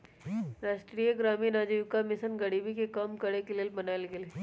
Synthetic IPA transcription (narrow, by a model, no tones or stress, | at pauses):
ɾaːʃʈɾijəɡɾaːminaːd͡ʒijʊkamɪsənɡɐɽiːbikekɐmkɐɽekelelbɐnaːlɡeleː